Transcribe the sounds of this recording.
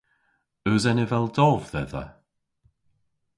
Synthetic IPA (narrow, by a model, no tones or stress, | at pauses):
əzɛnɪvɛlˠdɔvðɛðə̰